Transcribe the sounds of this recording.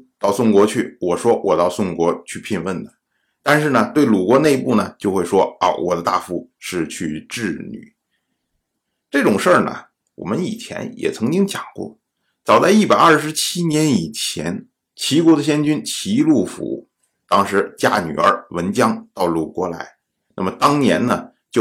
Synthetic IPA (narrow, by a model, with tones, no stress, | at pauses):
t̪ɑ˥˩ʊsʊ˥˩ŋkwɔ˧˥t͡ɕʰy˥˩wɔ˨˩ʂwɔ˥wɔ˨˩t̪ɑ˥˧ʊsʊ˥˩ŋkwɔ˧˥t͡ɕʰy˥˧pʰi˥˧nwə˥˩nd̪ə˩ | t̪a˥˧nʂ̬ɻ̩˥˩nə˩t̪we˥˩ɪlu˨˩kwɔ˧˥ne˥˧ɪpu˥˩nə˩t͡ɕjo˥˧ʊxwe˥˩ɪʂwɔ˥ə̰˧˩wɔ̰˨˩d̪ə˦t̪a˥˩fu˧˥ʂɻ̩˥˧t͡ɕʰy˥˧ʈ͡ʂɻ̩˥˩ny̰˨˩˦ | ʈ͡ʂɤ˥˩ʈ͡ʂʊ˨˩ŋʂə˞˥˩nə̰˩ | wɔ̰˨˩mə˦nḭ˨˩t͡ɕʰjɛ̰˧˥njɛ̰˨˩t͡sʰɤ˧˥ŋt͡ɕi˥ŋt͡ɕjɑ˨˩ŋkwɔ̰˥˩ | t͡sɑ˨˩ʊt͡sa˥˧ɪi˥˩pa˨˩ɪɐə˞˥˩ʂɻ̩˧˥t͡ɕʰi˥njɛ˧˥ni˨˩t͡ɕʰjɛ̰˧˥n | t͡ɕʰi˧˥kwɔ˧˥d̪ə˧ɕ̬jɛ˥nt͡ɕy˥nt͡ɕʰi˧˥lu˥˩fṵ˧˥ | t̪ɑ˥ŋʂɻ̩˧˥t͡ɕja̰˥ny̰˨˩ə̰˞˧˥wə˧˥nt͡ɕjɑ˥ŋt̪ɑ˥˩ʊlu˨˩kwɔ˧˥la˧˥ɪ | na̰˥˩mə˩t̪ɑ˥ŋnjɛ˧˥nnə˨ | t͡ɕjo˥˩